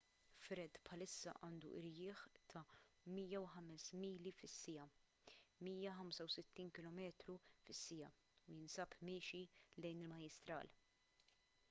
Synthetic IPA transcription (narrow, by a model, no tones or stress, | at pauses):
fɾɛd̪pħɐlɪsːɐ̰ʔɐːnd̪ṵʔɪɾjɪːħt̪ʰɐ | miːjɐwħɐmɛsmiːlifɪsːɪjɐ | miːjɐħɐmsɐwsɪt̪ːiːnkɪlɔmɛːt̪ɾufɪsːɪjɐ̰ | ujɪnsɐːpmɪːʃilɛjnɪlmɐjɪst̪ɾɐ̰ːl